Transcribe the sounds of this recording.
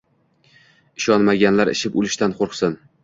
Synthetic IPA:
ɪʃɒnmaɡʲanlaɾɪ̰ʃɪpʊlɪʃt̪anqʰoɾqsɪn

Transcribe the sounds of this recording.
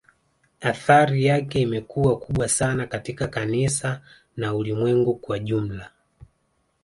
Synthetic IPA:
aθaɾijakɛimɛkuwakuɓwasanakatikakanisa | naulimwɛŋɡukwaʄum̩la

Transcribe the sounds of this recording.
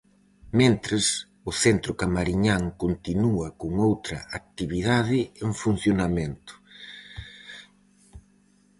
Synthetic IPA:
mẽnt̪ɾɪs | ʊθent̪ɾʊkamaɾiɲaŋkont̪inuɐkoŋowt̪ɾɐ̰ak̚t̪iβiðaðɪeŋfun̟θjonamẽnt̪ʊ̥

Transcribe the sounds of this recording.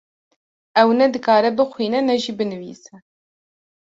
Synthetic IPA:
ɛwnɛd̪ɨkɑːɾɛbɨxʷwiːnɛnɛʒiːbɨnɨvḭːsɛ

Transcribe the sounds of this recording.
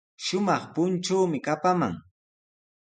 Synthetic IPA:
ʃʊmɑχpʊnt͡ʃuːmɪkapama̰ŋ

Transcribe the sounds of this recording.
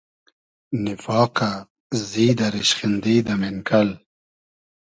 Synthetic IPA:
nɪfɑːka | ziːd̪aɾiɕχɪnd̪iːd̪amɪnkʰɐl

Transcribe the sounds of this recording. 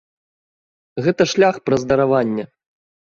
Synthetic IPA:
ɣɛt̪ɐʂlʲaxpɾɐzd̪ɐɾavanʲːɛ

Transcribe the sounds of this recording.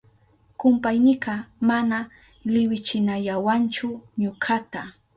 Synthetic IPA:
kʊmpajnɪkɑmana | lɪwɪt͡ʃɪnaʎawant͡ʃʊɲʊkʰat̪a

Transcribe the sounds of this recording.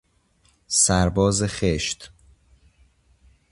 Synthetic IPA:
sæɾbɒːzexeʃt̪

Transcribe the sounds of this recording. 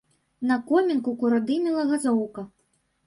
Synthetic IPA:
nɐkɔmʲinkukuɾad̪ɨmʲilˠɐɣazɔwkɐ

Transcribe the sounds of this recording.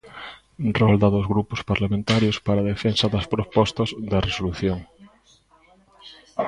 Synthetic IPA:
rɔld̪aðozɣɾupʊspaɾlamẽnt̪aɾjospaɾaðefensɐðɐspɾopɔst̪ɐzðɐresoluθjoŋ

